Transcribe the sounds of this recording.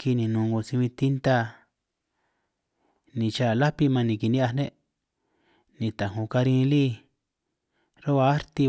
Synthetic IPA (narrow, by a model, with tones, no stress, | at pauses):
ki˧nĩ˨nũ˨˧˨ŋɡo˧sĩ˧ĩ˧t̪i˦nt̪a˦˧ | nĩ˧t͡ʃa˦˨la˦pi˧mã˧nĩ˨ki˨nĩ˦a˧nẽ˦ | nĩ˧t̪a˨ɦõ˧ka˧ɾĩ˧li˦ | ɾo˦βa˧a˦ɾt̪i˧